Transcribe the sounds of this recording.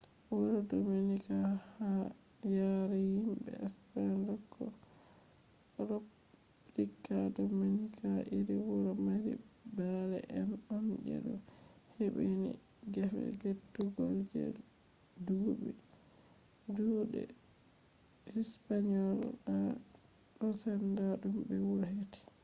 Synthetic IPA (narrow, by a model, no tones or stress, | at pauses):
wɔɾɔdominikaha | jaɾɛhimbɛ̰asɾandɔkʰːɔ | ɾɔp | likːadominikʰaʔiɾiwɔɾɔmaɾḭ | baɾɛʔɛnɔnd͡ʒɛ̰ɗɔ | heɓenḭ | ɡafɛ̰ɡetːuɡɔld͡ʒɛ̰l | duːbi | duːɗɛ̰ | hispaɲɔlɗa | ɔsandaɗumbɛwuɾheti̥